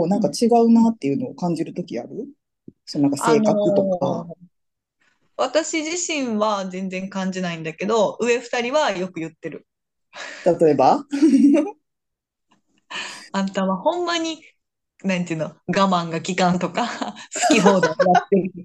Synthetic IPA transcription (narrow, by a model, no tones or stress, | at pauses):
oːnãŋkat͡ɕiɡaɯ̟nat̪ːe̞jɯ̟noːkãɲ̟d͡ʑiɾɯ̟t̪o̞kʲia̰ɾɯ̟ | sonãŋkase̞ːnkakɯ̟t̪oka̰ | βat̪aɕiʑiɕĩɰ̃βazẽ̞nd͡zẽ̞ŋkãɲ̟d͡ʑinaĩnd̪ake̞d̪o̞ɯ̟e̞ɸɯ̟̥t̪aɾʲiβajo̞kɯ̟jɯ̟t̪ːe̞ɾɯ̟ | t̪at̪o̞e̞ba | at̪aβahõ̞mːaɲ̟i | nãɲit̪ɯ̟noɡamãŋɡakʲikãnt̪o̞kasɨ̥kʲiɦo̞ːd̪ojat̪ːe